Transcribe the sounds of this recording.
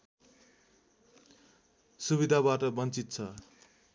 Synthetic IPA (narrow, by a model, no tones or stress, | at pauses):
subid̪ʱabaʈʌbʌnt͡sit̪t͡sʰʌ